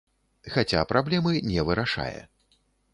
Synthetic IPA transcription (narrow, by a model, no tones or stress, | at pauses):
xat͡sʲapɾablʲɛmɨnʲɛvɨɾaʂa̰jɛ̰